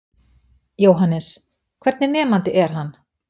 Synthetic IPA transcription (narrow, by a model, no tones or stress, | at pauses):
joːwɦanːɛs | kʰv̥ɛɾt̪nɪnɛːmant̪ɪʔɛɾ̥ɦanː